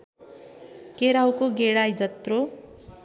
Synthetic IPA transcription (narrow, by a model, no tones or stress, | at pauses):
keɾawkoɡeɽajd͡zʌt̪ro